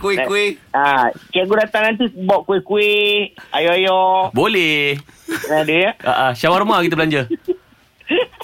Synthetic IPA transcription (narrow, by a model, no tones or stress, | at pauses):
kuɪkːuɪhakaaʔɡuɾat̪anant̪̬ubɔʔkuɪhkuɪajɔajɔbolɛhnadujaʔa̰ʔaʃawarmakit̪əbəlaɲd͡ʒə